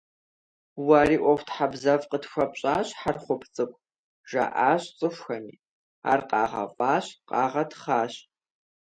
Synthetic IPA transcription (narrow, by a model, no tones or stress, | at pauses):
waːɾiːʔʷɔwʷtħabzɐvqətxʷɐpɕʼaːɕħarχʷʊpʰt͡sʼɨkʷʼ | ʒ̥a̰ʔaːɕt͡sʼɨʃʷxɐniː | a̰ːrqɑːʁɐ̰ʔʷʼɑːɕqʼɑːʁɐtχaːɕ